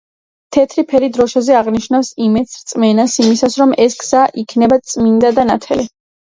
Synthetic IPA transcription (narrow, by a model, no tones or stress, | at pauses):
t̪ʰɛt̪ʰɾipʰɛɾid̪ɾɔʃazɛaʁniʃnafsimɛt̪sɾt̪sʼmɛnasimisasɾɔmɛsɡz̥aʔikʰnɛbat̪sʼmind̪ad̪anat̪ʰɛli